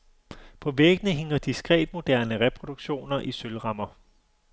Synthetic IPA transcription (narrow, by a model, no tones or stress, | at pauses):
pʰɒ̽ʋeɡ̥nəɦe̝ŋ̰ɐd̥isɡ̥ʁɛ̰ːd̥mo̝d̥æɐnəʁɛpʰʁo̝d̥uɡ̥ɕo̝̰ːnɐʔisølʁɑ̈mɐ